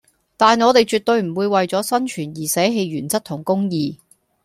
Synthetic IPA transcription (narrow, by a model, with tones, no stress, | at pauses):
t̪aː˨nɔː˨˧t̪e˨jt͡ʃyː˨t̚t̪ɵ˧ɥm̩˨˩wuː˨˧jwɐ˨jt͡sɔː˨˥sɐ˥nt͡ʃʰyː˨˩njiː˨˩sɛː˨˥ɦe˧jɥyː˨˩nt͡sɐ˥t̚t̪ʰʊ˨˩ŋkʊ˥ŋjiː˨˧